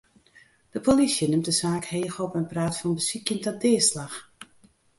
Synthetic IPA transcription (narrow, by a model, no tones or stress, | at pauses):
d̥əpʰolisjənɪmtdəsaːkheːxɔpɛnpraːtfɔnbəsikjəntɔdɪːslax